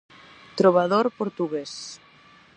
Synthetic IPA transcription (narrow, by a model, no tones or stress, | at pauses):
t̪ɾoβaðoɾpoɾt̪uɣes